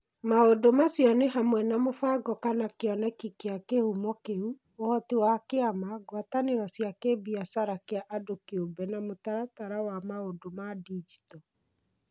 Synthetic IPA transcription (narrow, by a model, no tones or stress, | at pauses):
maodomasjɔneɦamwɛnamofaɡɔkanakeɔnɛkikeakehumɔkeu | ohɔtiwakeamaɡwataneɾɔsjakebiasaɾakeaʔadokeobɛnamotaɾataɾawamaodomadid͡ʒi̥tɔ